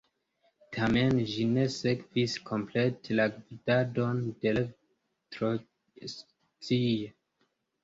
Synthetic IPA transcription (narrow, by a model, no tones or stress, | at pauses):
tʰamenʒine̞sekviskʰo̞mpletʰelaɡvidado̞nde̞l | tɾo | s | t͡sie